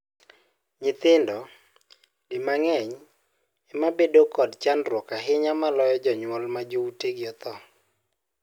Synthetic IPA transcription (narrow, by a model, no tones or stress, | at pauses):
ɲɪt̪ɪndɔ | dɪmaŋɛɲ | ɛmabedokɔdt͡ʃanrwɔkaɦɪɲamalɔjɔd͡ʒɔɲwɔlmad͡ʒouteɡɪɔt̪ɔ